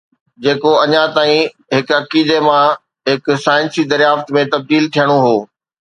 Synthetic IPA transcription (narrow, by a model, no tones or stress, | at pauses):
d͡ʑeːkoɐɲãt̪aːĩ | ɦɪkɐkiːd̪emã | ɦɪk̆saːɪ̃nsid̪ɐɾjaːft̪mẽt̪ɐb̚d̪iːlt̪ʰijəɽ̃oɦoː